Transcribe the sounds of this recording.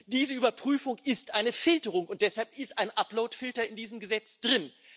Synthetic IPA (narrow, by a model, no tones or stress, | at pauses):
d̥iːzəyːbɐpʁ̥yːfʊŋɪstʔaɪnəfɪltəʁʊŋʊnt̚d̥ɛshalpɪstʔaɪnʔaploʊtfɪltɐɪndiːzəmɡəzɛt͡sd̥ʁɪn